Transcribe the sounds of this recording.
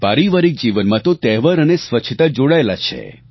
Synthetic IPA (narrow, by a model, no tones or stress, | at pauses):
paɾiʋaɾik̚d͡ʒiʋənmãt̪ot̪ɛɦʋəɾənesʋət͡ʃʰt̪ad͡ʒoɽaelat͡ʃʰḛ